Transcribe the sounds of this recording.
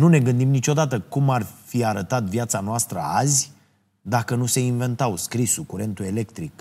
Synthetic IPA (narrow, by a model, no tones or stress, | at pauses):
nune̞ɡɨnd̪imnit͡ʃo̞d̪at̪əkumarfiaɾət̪at̪vjat̪sanoast̪ɾə̰azʲ | d̪akənuse̞inve̞nt̪awskɾisukuɾe̞nt̪ue̞le̞kt̪ɾik